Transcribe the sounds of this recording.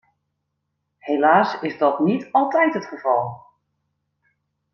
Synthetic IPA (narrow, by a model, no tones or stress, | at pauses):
helaːsɪsdɔtnitɔlˠtɛjtətχəvɔlˠ